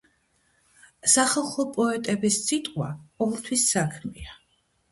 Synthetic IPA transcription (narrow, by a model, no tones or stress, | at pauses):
saχalˠχɔpʼɔɛt̪ʼɛbissʰʼit̪ʼqʼwa̰ɔmɛlˠt̪ʰwisːakʰmɛ̰a